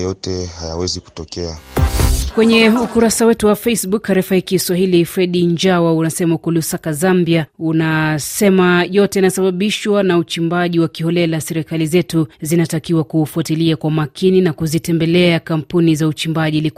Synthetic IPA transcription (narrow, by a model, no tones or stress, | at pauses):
jɔtɛhaja̰wɛziku̥tɔkɛa | kwɛɲɛukuɾasawɛtuwafejsbukaɾɛfahikiswaɦilifɾɛɗiɲd͡ʒawaunasɛmaukɔlusakazambiaunasɛmajɔtɛinasaɓaɓiʃwanaut͡ʃimbaʄiwakiɦɔlɛlasɛɾikalizɛtuzinatakiwakufuatiliakwamakʰininakuzitɛmbɛlɛakampunizaut͡ʃimbaʄilik